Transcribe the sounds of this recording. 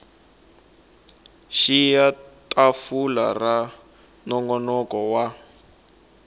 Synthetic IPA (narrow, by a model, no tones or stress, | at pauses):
ʃijatʰʼafula̰ra | nɔŋɡɔnɔkɔwa